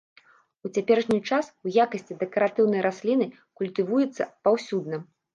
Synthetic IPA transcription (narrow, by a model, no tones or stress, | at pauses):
ut͡sʲapʲɛɾɐʂnʲit͡ʂasujakɐsʲt͡sʲid̪ɛkɐɾat̪ɨwnɐjɾʔasʲlʲinɨ | kulʲt̪ɨvujɛt̪sːɐ̰pawsʲud̪nɐ